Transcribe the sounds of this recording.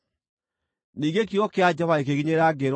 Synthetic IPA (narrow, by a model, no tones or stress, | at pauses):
niːŋɡekiɣɔkead͡ʒaβaekeɣiɲeɾaɡeɾ